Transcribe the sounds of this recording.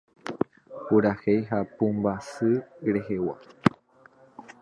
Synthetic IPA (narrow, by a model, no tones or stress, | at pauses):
puɾahejɦapumbasɨɾehewa̰